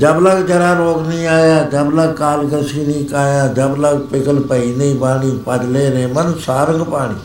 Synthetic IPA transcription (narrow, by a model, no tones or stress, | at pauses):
d͡ʒəbləɡd͡ʒəɾaːɾoːɡnĩːaːjaːd͡ʒəbləɡ̚kaːlɡəsiːnĩːkaːjãːd͡ʒəbləɡpɪkəlpəiːneːbaːɽ̃iːpəd̪leːɾeːmənsaːɾəŋɡpaːɽ̃ḭː